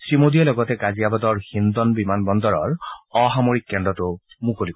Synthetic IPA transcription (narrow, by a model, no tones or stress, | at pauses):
simod̪ijɛlɔɡɔt̪ɛkazijabad̪ɔɹhind̪ɔnbimanbɔnd̪ɔɹɔɹɔɦamoɹikːɛɳdɔtʊ | mukolik